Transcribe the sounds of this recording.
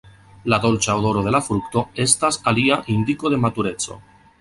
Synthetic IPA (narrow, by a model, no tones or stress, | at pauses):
lado̞lt͡ʃaodo̞ɾo̞ðe̞lafɾukt̪o̞e̞st̪asaliaʔind̪iko̞ðe̞mat̪uɾe̞t͡so̞̰